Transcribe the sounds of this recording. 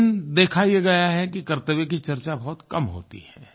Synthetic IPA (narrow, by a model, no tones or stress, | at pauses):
nd̪eːkʰaijeɡɐjaɦɛkikɐɾt̪əʋek̬it͡ʃɐɾt͡ʃabɐɦʊt̪kɐmɦo̰ːt̪ḭɦɛ̰̃ː